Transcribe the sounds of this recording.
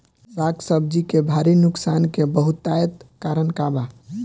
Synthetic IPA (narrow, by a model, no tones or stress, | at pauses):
bʱaɡsəbd͡ʒikebʱaɾinuksankebəɦut̪ːajət̪kaɾənkaba